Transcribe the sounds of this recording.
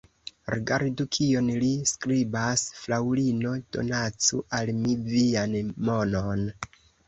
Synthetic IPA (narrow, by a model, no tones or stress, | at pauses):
ɾiɡaɾdukʰio̞nliskɾibasflawlino̞d̥o̞̰nat͡suʔalmivianmo̞non